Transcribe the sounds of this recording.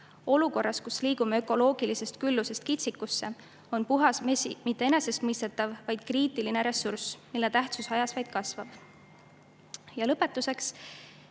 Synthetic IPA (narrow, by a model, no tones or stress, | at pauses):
o̞luko̞rːɑskusliːɡ̥umeø̞kˑo̞lo̞ːɡ̥ilise̞st̪̚kylːuse̞st̪kit̪sikːusːe̞ | o̞npuɦɑsmmit̪ːe̞e̞ne̞se̞st̪mɤjst̪e̞t̪ːˑɑvvɑjd̪̥̚kriːt̪ːˑiline̞ɾe̞sːursmilːet̪æht̪susɑjɑsvɑjd̪̥kɑsvɑb̥ | jɑlɤpːˑe̞t̪ːˑuse̞ks